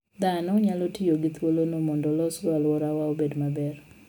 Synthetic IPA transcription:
d̪anɔɲalotɪjoɡɪt̪wolonomɔndɔlɔsalwɔɾawaobedmabɛr

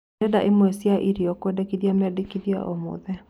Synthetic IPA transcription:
ɛdaʔemwɛsjaʔiɾiɔkwɛdɛkiðiamɛdekiðja̰ʔɔmo̰ðɛ

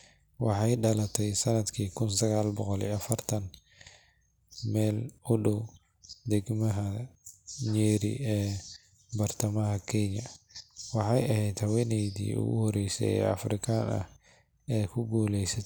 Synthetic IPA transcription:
wɑħɑjɖɐlɐt̪ʰɛjsɐnɐd̪kʰiːkʰʊnsɐɣaːlbɔqɔlḭɐfɐrt̪ʰɐn | mɛːlʊɖɔw | d̪ɛɡmɐɦɐ | ɲɛːɾḭɛː | bɐrt̪ʰɐmɐɦɐkʰɛɲɐwɑħɑjɐɦɛjd̪hɐwɛnɛjdḭːʊ̰ɣʊ̰hɔɾɛjsɛ̰jɛ̰ːɐ̰frɪkʰɐnɐ̰h | ɛːkʰʊɡuːlɛjsɐ

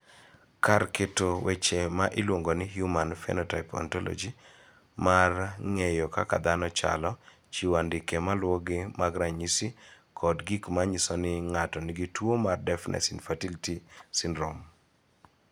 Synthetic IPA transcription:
karketowet͡ʃemaʔɪlwoŋɡonɪɦjumanfɛ̰nɔtaɪpɔ̰ntɔlɔ̰d͡ʒi | marŋejɔkaka̰d̪anɔt͡ʃa̰lɔ | t͡ʃiwandɪkemalwɔɡɪmaɡɾaɲisi | kʰɔdɡikmaɲisɔnɪŋatɔnɪɡitwomardɛfnʔɛ̰sinfatilitisɪnɾom

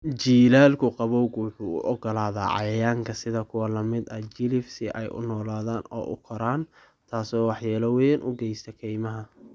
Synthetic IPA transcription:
d͡ʒiːlaːlkʰʊqɑβɔwɡwʊħuːʊ̰ʔɔɡɔlaːða̰ːʕɑ̰jjaːŋkʰɐsɪðɐkʰʊwɐlɐmɪd̪ɐt͡ʃɪlɪfsɪʔɛ̰jʔʊ̰nɔːlaːðaːnɔ̰ːʔʊ̰kʰɐɾaːn | t̪ʰaːsɔːwɑħjaːlɐwɛnʔʊɡɛjst̪ʰɐkʰɛjmɐɦɐ

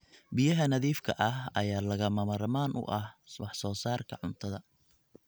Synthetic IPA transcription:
bɪjɐɦɐnɐðiːfkʰɐ̰ʔɐɦɐjaːlɐɣɐmɐmɐɾɐmaːnʔʊ̰ʔɐhwɑħsɔːsaːrkʰɐʕʊnt̪ʰɐðɐ

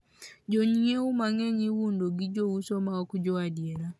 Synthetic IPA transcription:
d͡ʒɔɲieumaŋɛɲiwundoɡid͡ʒowusɔmaɔkud͡ʒɔadiena

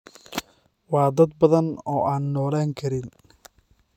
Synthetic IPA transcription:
wɑːd̪ɐd̪̚bɐðɐnɔːʔaːnːɔːlaːŋkʰɐɾɪn

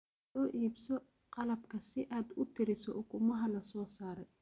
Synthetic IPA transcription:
ɔːʔiːbsɔ | qɑlɐbkʰɐsɪʔaːd̪ʊt̪ʰɪɾɪsɔʔʊkʰʊmɐɦɐlɐsɔːsaːɾɛj

